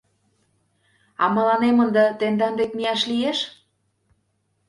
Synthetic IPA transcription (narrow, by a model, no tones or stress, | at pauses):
ɑmɤ̆lɑnemənd̪ə̆t̪end̪ɑnd̪ekmiɑʃlieʃ